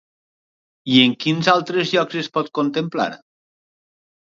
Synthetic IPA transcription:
ieŋkinzalˠt̪ɾezʎɔkzespɔt̪̚kont̪empla̰ɾ

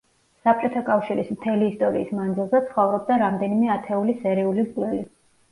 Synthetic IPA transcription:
sap̚ʰt͡ʃʼɔt̪ʰakʼafʃiɾismt̪ʰɛliːst̪ʼɔɾiːsmand̪zilˠzɛt̪sʰχɔvɾɔb̚d̪aɾamd̪ɛnimɛat̪ʰɛulisɛɾiulizʼlɛli

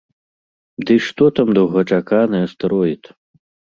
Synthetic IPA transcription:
d̪ɨʂt̪ɔt̪amd̪ɐwɣɐt͡ʂakanɐjɛst̪ɐɾɔjit̪

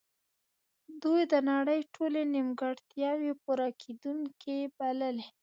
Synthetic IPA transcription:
d̪ujd̪ənaɽəjʈʰolenɪmɡaɽt̪jɑwepuɾɑkʰed̪uŋkebaləle

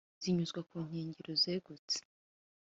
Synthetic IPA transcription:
z̥iɲuzɡwakuːŋ̥heːɲɟeɾozeɡut͡se̥

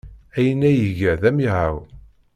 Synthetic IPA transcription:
æjənːæjəʝəðæmiʕaw

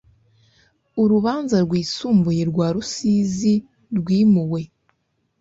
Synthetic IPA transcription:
uɾuβaːnzaɾɡwiːsuːmbuje̞ɾɡwaːɾusiːzi | ɾɡwiːmuwe̞

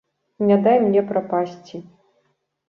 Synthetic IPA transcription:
nʲad̪ajmnʲɛpɾapasʲt͡sʲi

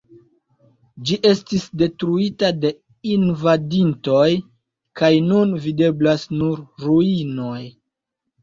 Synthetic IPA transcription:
d͡ʒiʔe̞stisde̞tɾuitade̞ | invadinto̞j | kajnunvide̞blasnuɾːuino̞j

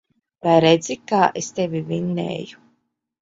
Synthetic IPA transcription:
pajɾed̪zʲikaːʔest̪evʲivinːḛːju̥

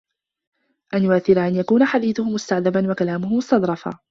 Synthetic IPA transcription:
ʔanjʊʔaθːɪɾaʔanjakuːnaħad̪iːθʊhʊmʊst̪aʕðabanwakalaːmʊhʊmʊst̪ɑd̪ɾˤɑfa̰ː

